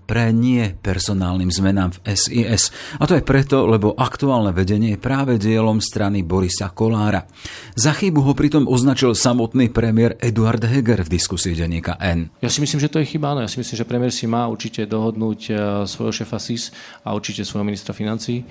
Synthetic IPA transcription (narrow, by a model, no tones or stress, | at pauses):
pɾɛɲɪɛpɛɾsɔnaːlniːmzmɛnaːmfɛsiːɛsat̪ɔajpɾɛt̪ɔlɛbɔʔakt̪uaːlnɛʋɛɟɛɲɪɛjɛpɾaːʋɛɟɪɛlɔmst̪ɾanibɔɾisakɔlaːɾa | zaxibuɦɔpɾit̪ɔmʔɔznat͡ʃilsamɔt̪niːpɾɛmɪɛɾɛd̪uaɾd̪ɦɛɡɛɾvd̪iskusiiɟɛɲːiːka̰ʔɛnjasimisliːmʒɛt̪ɔjɛxibaanɔjasimislimʒɛpɾɛmɪɛɾsimaːuɾt͡ʃicɛd̪ɔɦɔd̪nuːcsʋɔ̰jɦɔʃɛːfasis | a̰uɾt͡ʃicɛsʋɔjɦɔminist̪ɾafinant͡siː